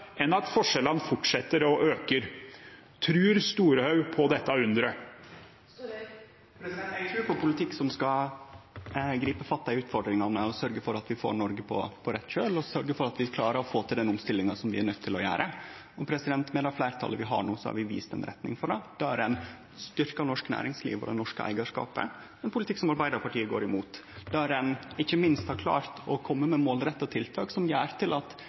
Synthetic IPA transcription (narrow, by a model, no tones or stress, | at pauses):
ɛnɑt̪fɔʂɛlənfʊʈʂɛt̪ːəɾɔʔøːkəɾ | t̪ʰɾʉːɾst̪uːɾəhœʉpʰɔd̪ɛt̪ːɑʉnd̪ɾə | t̪ʰɾʉːpʰɔpʊlɪt̪ʰɪkːsɔmskɑ | ɡɾiːpəfɑt̪ːɑɪʉːt̪fɔɖɾɪŋɑnəɔsœɾɡəfɔɾɑt̪ʋɪfo̰ːɳɔɾɡəpʰɔ̰pʰɔɾɛt̪ːʃøːlɔsœɾɡəfɔɾɑt̪ʋɪkʰlɑːɾəɾɔfoːt̪ʰɪld̪ɛnɔmst̪ɪlːɪŋɑsɔmʋɪæɳœt̪ʰːɪlɔjæ̰ːɾʔə | ɔpʰɾɛsɪd̪ɛnt̪mɛːd̪ɑflæɪɾt̪ʰɑ̰lːəʋɪɦɑ̰ɳuːsɔhɑ̰ɾʋɪʋḭːst̪ɛ̰nɾɛ̰t̪nɪ̰ŋfɔɖɛd̪̥ɛæɾɛn | st̪ʏɾkɑnɔʂknæ̰ːɾɪŋslḭːʋɔ̰d̪ɛ̰nɔʂkə̰ʔæ̰ɪɡɑʂkɑ̰ːpə̰ | ɛnpʰʊlɪt̪ʰɪkːsɔmɑɾbæɪd̪əɾpʰɑʈʰiːəɡo̰ːɾɪmuːt̪d̪ɛæɾɛnɪçːəmɪnst̪hɑɾkʰlɑ̰ːɾt̪ɔkʰɔmːəmɛmoːlɾɛt̪ːɑt̪ʰɪlt̪ʰɑːksɔmjæːɾt̪ʰɪlɑt̪